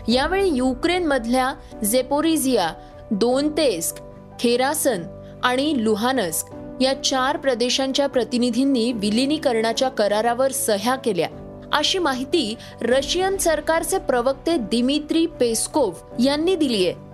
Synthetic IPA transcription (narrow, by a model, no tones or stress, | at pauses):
jaʋeɭejukɾenməd̪ʱlja | d͡zepoɾid͡zija | d̪ont̪esk | kʰeɾasən | aɽ̃iluɦanəsk | jat͡ɕaɾpɾəd̪eɕãɲt͡ɕjapɾət̪inid̪ʱinːiːʋiliniːkəɾɳat͡ɕjakəɾaɾaʋəɾsəɦjakelja̰ | ə̰ɕiːmaɦit̪iː | ɾəɕijənsəɾkaɾt͡sepɾəʋək̚t̪ed̪imit̪ɾiːpeskoʋ | janːiːd̪ilije